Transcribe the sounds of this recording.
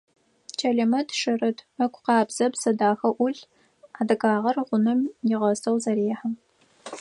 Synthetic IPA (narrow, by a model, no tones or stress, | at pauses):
t͡ʃʰɐɮɐmɐtʰʂɨrɨtʰɐkʷʊqɑːbz̥ɐbsɐdaːxɐʔʷʊɮ | aːdɐɡaːʁɐrʁʷʊnɐmjɪʁɐsʰɐwzɐɾiːħam